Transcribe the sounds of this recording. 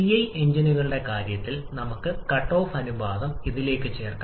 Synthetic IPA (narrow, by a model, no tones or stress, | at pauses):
ijɐjʔe̞ɲd͡ʑinuɣɐɭuɽe̞kaːɾjɐt̪ːilnɐmukːɨkɐʈːo̞ːfɐnubaːðɐmiðile̞ːkːɨt͡ɕe̞ːrka